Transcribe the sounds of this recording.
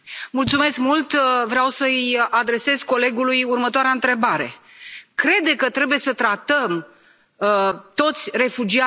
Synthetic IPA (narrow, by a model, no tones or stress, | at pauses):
mult̪sume̞skmult̪vɾeawsəjad̪ɾe̞se̞zko̞le̞ɡulujurmət̪oaɾeaɨnt̪ɾe̞baɾe̞̰ | kɾe̞d̪ekət̪ɾe̞buje̞sət̪ɾat̪əm | t̪o̞t̪sʲre̞fud͡ʒia